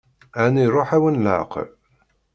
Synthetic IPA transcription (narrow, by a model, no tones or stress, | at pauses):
æniɾˤoħæwənla̰ʕqɾ